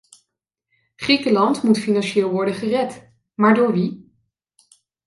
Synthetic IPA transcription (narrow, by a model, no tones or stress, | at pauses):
χrikəlɑntmutfinɑnʃɪːlˠʋɔɹdənχərɛt | maːɹdʊːɹʋi